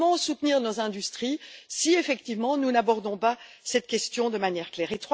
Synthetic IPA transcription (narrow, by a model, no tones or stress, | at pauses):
mɑ̃sut̪niʁnozɛ̃d̪yst̪χisiefɛkt̪ivmɑ̃nunabɔʁd̪ɔ̃pasɛt̪kʲɛst̪jɔ̃d̪əmanjɛʁklɛːʁet̪χw